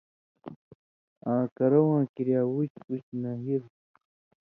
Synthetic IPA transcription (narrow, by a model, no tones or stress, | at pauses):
ãːkɐɾɐwãːkiɾjaːwut͡ɕput͡ɕnaɦiɾ